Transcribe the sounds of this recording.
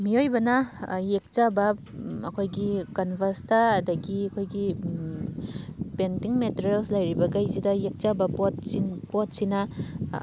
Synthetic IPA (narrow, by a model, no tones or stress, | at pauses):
miojbɐnɐjek̚t͡ʃabɐ | ɐ̰kʰojɡikɐnbʱɐstaːdɐɡiɐkʰojɡi | pentiŋmeteɾelslɐjɾibɐɡajzidɐjek̚t͡ʃabɐpotsinpot̚sinɐ